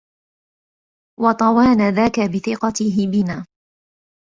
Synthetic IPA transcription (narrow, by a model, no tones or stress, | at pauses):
wɑt̪ˤɑwaːnaðaːkabɪθɪqɑt̪ɪɦɪbɪnaː